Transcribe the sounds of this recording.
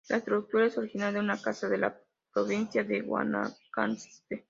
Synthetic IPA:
lʔaest̪ɾuuk̚t̪uɾaesoɾixinald̪eunakasaðe̞la̰ | pɾoβinsjaðeɣwa̰na̰kanst̪e

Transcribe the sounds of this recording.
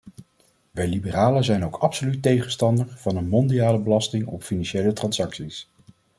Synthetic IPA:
ʋɛjlibəraːləzɛjnowkʰɑpsolytejχənstɑndəɹv̥ɑnənmɔndiaːləbəlɑstɪŋɔ̰pfinɑnʃejlətrɑnsɑksis

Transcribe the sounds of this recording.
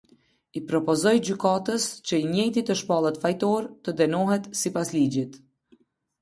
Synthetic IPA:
ipɾɔpɔzɔjd͡ʑykat̪əscəiɲɛjt̪it̪əʃpalˠət̪fajt̪ɔɾt̪əd̪ɛnɔɦɛt̪sipaslid͡ʑit̪

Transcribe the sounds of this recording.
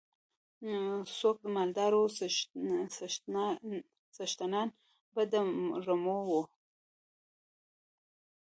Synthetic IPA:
sok̚d̪əmald̪ɑɾo | saʃt̪anɑn | bəd̪əɾamowu

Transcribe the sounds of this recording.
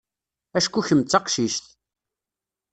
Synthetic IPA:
æʃkuçəmt͡sːɑqʃiʃt̪

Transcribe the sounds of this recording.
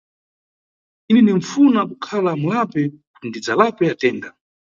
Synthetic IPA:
inɛniɱfunakukʰalamulapɛkundid͡zalapɛatɛːnda

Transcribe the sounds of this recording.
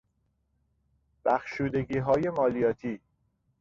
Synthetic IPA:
b̥æxʃuːd̪eɡiːɦɒːje̞mɒːlijɒːt̪ʰiː

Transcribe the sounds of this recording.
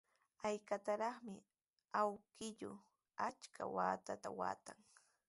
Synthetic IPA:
ajkat̪aɾɑχmɪ | awkɪʎʊ | at͡ʃkʰa̰waːt̪at̪a̰wa̰ːt̪aŋ

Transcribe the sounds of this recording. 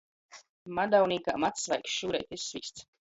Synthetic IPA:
mad̪awniːka̰ːmat̪ssva̰jksʃuːɾɛ̰jt̪ʲissviːst̪s

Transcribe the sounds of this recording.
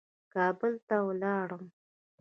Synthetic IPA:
kɑbəlt̪awlɑɽəm

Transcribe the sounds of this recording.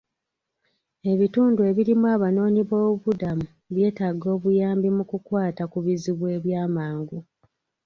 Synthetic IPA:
e̞βituːndue̞βiɾimuaːβano̞ːɲiβo̞ːβuβudamu | βje̞ːtaɡo̞ːβujaːmbimukukwaːtakuβiziβwe̞ːβjaːmaːŋɡu

